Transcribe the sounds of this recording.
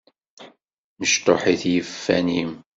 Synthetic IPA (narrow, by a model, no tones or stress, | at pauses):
məʃt̪oħiθjəfːænim